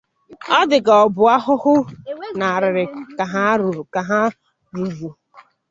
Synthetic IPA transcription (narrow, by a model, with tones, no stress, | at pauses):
ɔ˦dɪ˨ɡɔ˨bʊ˨a˦ɦʊ˦hʊ˦na˨ɾɪ˨ɾɪ˨ka˨ɦa˦ɾu˨ɾu˨ka˨ɦa˦ | ɾu˨vu˨